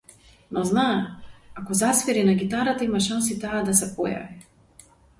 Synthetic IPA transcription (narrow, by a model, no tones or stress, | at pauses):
nɔznaakɔzasvɛɾinaɡit̪aɾat̪aimaʃansit̪aːd̪asɛpɔja̰vi